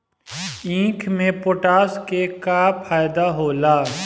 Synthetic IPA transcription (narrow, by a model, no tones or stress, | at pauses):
ĩːkʰmẽpoːʈaːskekaːppʰaːjd̪aɦoːlaː